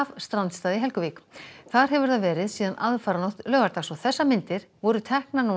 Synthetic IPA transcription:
vst̪ɾant̪st̪aːðɪɦɛlkʏviːkθaɾ̥ɦɛvʏɾθavɛːɾɪðsiːðanʔaðfaːɾanɔht̪lœːɣaɾt̪asɔɣθɛsːamɪnt̪ɪɾ̥vɔɾʏt̪ʰɛhknanu

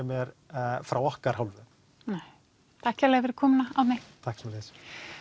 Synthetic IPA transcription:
ɛmjɛɾ | fɾawɔhkaɾ̥hawlvʏ | nɛj | t̪ʰaɛhcalɛɣavɛɾʏɾkʰɔːmɪnaaw̪met̪ʰahksmɛlɪs

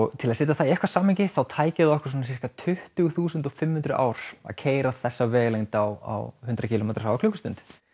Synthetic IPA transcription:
ɔɣt̪ʰɪlasɪːt̪aθaiɛhkvasaːmɪɲcɪθawt̪ʰaːjcɪðɪɔhkʏ̥ɾ̥̬ɔːnas̬i̥r̥kat̪ʰʏht̪ʏɣθuːsʏnt̪ɔfɪmhʏnt̪ɾʏʔa̰ːwɾ̥a̰ðcʰeːjɾaθɛsːavɛːɣlejŋt̪awa̰whʏnt̪ɾacʰɪːlomejt̪ɾ̥shawvakʰlʏːkʏst̪ʏnt̪

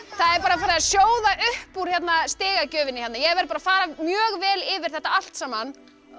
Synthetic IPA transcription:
θaðɛɾpaːɾafaːɾɪasjoːwðaʔʏhpuɾ̥jɛt̪nast̪ɪːɣacœːvɪnɪçɛt̪najɛɛɾvɛɾpaːɾafaːɾamjœːɣvɛːlɪvɪɾ̥θɛht̪aal̥t̪saːman

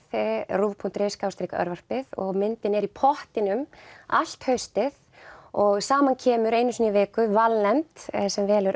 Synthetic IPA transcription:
ruːvpʰun̥t̪ɾeːskaːwst̪ɾiːkaœ̰ɾvar̥pɪðɔ̰ɣmɪnt̪ɪnɛɾipʰɔht̪ɪnʏmal̥t̪hœɥst̪ɪð | ɔɣsaːmancʰɛːmʏɾeːjnʏsniveːkʏvalnɛmt̪sɛmvɛːlɛɾ

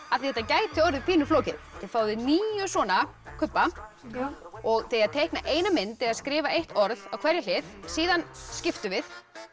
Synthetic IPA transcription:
aðθihɛt̪ːacaːjt̪θɪɔɾðʏpʰiːnʏflɔːwcɪðθɪðfaːwðɪniːjʏsvɔːna | kʰʏpːa | ɔɣθejaðt̪ʰejhknaʔeːjnamɪnt̪ɪðaðskɾɪːvaʔejht̪ɔɾðavkʰvɛɾjal̥ɪðsiːðanscɪft̪ʏvɪð

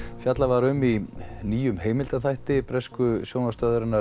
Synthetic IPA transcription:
fjat̪lavaɾʏminiːjʏmheːjmɪlt̪aθajht̪ɪpɾɛskʏsjoːwnast̪œðʏɾɪnːa

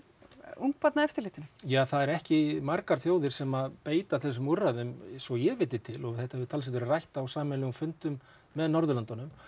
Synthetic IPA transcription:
uŋk̚pat̪naɛft̪ɪɾlɪht̪ɪnʏjaːθaðɛɾɛhcɪmaɾkaɾ̥θjoːwðɪɾ̥sɛmaðpeːjt̪aθɛs̬ʏmurːaðʏmsɔjɛvɪːt̪ɪt̪ʰɪlɔɣθɛht̪ahɛvɪt̪ʰals̬ɛt̪ɪɾɪrajht̪awsaːmɪnlɛɣʏmfʏnt̪ʏmː | ɛðnɔɾðʏlant̪anʏm

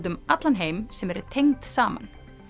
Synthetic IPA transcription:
t̪̬ʏmat̪lanɦeːjmsɛmɛɾʏt̪ʰejŋt̪saːma̰n

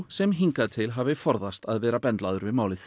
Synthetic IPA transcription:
sɛmɦiŋkaðt̪ʰɪlɦaːvɪfɔɾðast̪aðvɛːɾapɛnt̪laðʏɾvɪðmaːwlɪθ

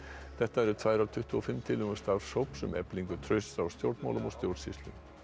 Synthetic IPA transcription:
θɛht̪aɛɾʏt̪ʰvaːjɾaɾt̪ʰʏht̪ʏɔfɪmːt̪ʰɪlʏɣʏst̪aɾ̥sowpsʏmʔɛ̰pliŋkʏt̪ʰɾœɥst̪awst̪jowɾt̪ma̰wlʏmɔst̪jowɾt̪sist̪lʏm

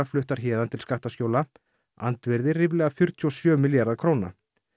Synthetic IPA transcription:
aflʏht̪aɾ̥çɛːðant̪ʰɪlskaht̪ascoːwla | a̰nt̪vɛɾðɪrɪvlɛɣafjʏɾ̥t̪ʰiɔsjœːmɪljaɾðakʰɾowna̰

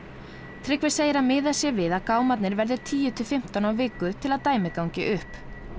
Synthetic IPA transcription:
t̪ʰɾɪkvɪɾ̥seːjɪɾamɪːðasjɛvɪðaðkaːwmat̪nɪɾvɛɾðɪɾ̥t̪ʰiːjʏt̪ʰɪfɪm̥t̪anawvɪːkʏt̪ʰɪlaðt̪aːjmɪkawŋɲcɪʔʏhp

